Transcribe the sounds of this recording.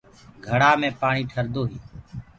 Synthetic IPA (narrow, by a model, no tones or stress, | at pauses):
ɡʱəɽaːmẽːpaːɳiːʈʰəɾd̪oːɦiː